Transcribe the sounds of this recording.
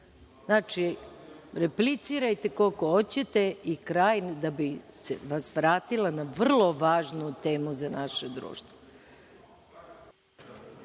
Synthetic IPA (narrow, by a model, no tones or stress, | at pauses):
znaːt͡ʃi | ɾe̞plit̪siɾajt̪e̞ko̞koot͡ɕe̞t̪e̞ikɾaːjnd̪abisḛʋasʋɾaːt̪ilˠanaʋr̩lˠo̞ʋaːʒnut̪eːmuzanaʃed̪ɾṵːʃt̪ʋo